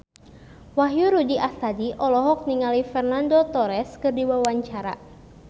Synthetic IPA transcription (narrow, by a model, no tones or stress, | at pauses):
waɦjuɾudiʔast̪adiʔɔlɔɦɔk̚niŋalifɛrnandot̪ɔɾɛskɨrdiwawaɲt͡ʃaɾa̰